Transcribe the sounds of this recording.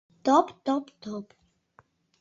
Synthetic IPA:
t̪ɔpt̪ɔpt̪ɔp

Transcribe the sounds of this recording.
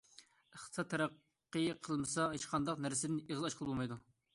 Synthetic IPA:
əχt̪ʰə̥sɑt̪ʰːæɾæqː | əjqʰəlˠmɨsɑɦet͡ʃqʰɑnd̪ɑqnæɾsɪd̪ɪneʁzˠɑʃqʰəlˠəbolˠmɑjd̪u

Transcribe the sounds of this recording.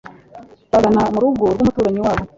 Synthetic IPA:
βaɡanamuɾuɡoɾɡomutuːɾaɲiwaːβo

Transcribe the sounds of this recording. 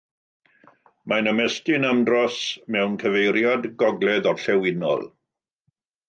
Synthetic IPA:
manəmɛstɪnəmdrɔsmɛwnkʰəvejɾjadɡɔɡlɛðɔrɬɛwɪnɔ̰lˠ

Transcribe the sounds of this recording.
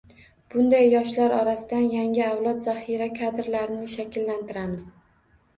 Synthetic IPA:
b̥ʊnd̪ajːɒʃlaɾɒɾasɪd̪anjaŋʲɪawlˠɒt̪zahiɾakʰad̪ɪɾlaɾɪnɪʃakʲʰɪlːant̪ʰɪɾamɪz̥

